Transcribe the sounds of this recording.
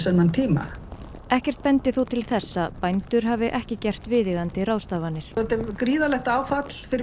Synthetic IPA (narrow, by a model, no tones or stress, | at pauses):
sɛnːant̪ʰiːma̰ | ɛhcɛr̥t̪̚pɛnt̪ɪθuwt̪ʰɪlθɛsːapajnt̪ʏɾ̥ɦaːvɪʔɛhcɪcɛr̥t̪vɪːðɪɣant̪ɪraːwst̪aːvanːɪɾ̥ɔt̪ɪkɾiːðalɛxt̪aːwfat̪l̥fɪɾɪ